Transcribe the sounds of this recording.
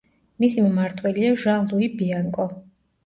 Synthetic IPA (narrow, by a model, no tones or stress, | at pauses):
misimɛmaɾt̪ʰwɛliaʒalˠuibiaŋkʼɔ